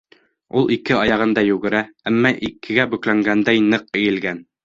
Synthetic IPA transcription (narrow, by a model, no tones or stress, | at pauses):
ulˠʔikɘɑjɑʁɤ̆nd̪ɑjʉɡɘ̆ɾææmːɑʔikɘ̆ɡæbʉklæŋɡænd̪æjnɤq̚ɘ̆jɘ̆lɡæn